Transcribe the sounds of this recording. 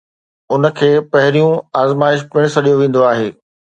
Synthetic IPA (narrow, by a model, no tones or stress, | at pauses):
ʊnə̆kʰeːpɐɦɪɾijũaːzmaːɪʃ̬pɪ̃ɽ̃sɐɗijoʋẽːn̆d̪oaːɦeː